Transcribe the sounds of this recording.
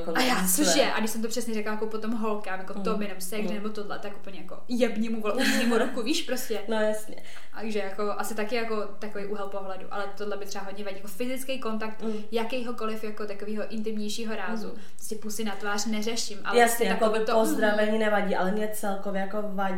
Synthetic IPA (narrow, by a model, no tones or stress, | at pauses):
koajaːt͡soʃʃjɛʔa̰ɡdɪʃsɛmt̪o̞pr̝̥ɛsɲɛɾɛklajakopot̪o̞mɦo̞lkaːmjakot̪obɪjɛnomsɛɡʒɛnɛbot̪odlɛt̪akupl̩ɲɛjakojɛbɲimuvolʔuɲiːmuɾokuviːʃpɾoscɛnojasɲɛ̰ | ʒɛjako̞ʔasɪt̪akɪjako̞ | t̪akovejʔuːɦɛlpo̞ɦlɛdṵʔa̰lɛt̪odlɛbɪt̪r̥ɛaɦo̞dɲɛvaɟiːjakofɪzɪt͡skɛjko̞nt̪akt̪ | jakɛjɦo̞ko̞lɪfjakot̪akoviːɦo̞ʔɪnt̪ɪmɲɛjʃiːɦo̞ɾaːzṵ | pɾoscɛpusɪnat̪vaːr̥nɛrɛʃɪmʔa̰ljɛasɪɛakoɪt̪oozd̪ɾavɛɲiːnɛvaɟiːʔalɛmɲɛt͡sɛlkovjɛjakovaɟi